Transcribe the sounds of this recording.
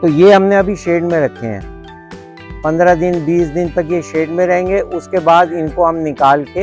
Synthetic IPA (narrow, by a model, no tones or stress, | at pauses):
t̪ojeɦɐmnẽɐbʱiʃeːɖmẽɾɐkʰḛɦɛ̰̃ː | pɐ̃nd̪ɾad̪ɪnbiːsd̪ɪnt̪ɐkjeʃeːɖmẽɾɐɦẽːŋɡeʔʊskebaːd̪ɪnkoɦɐmnɪkaːlke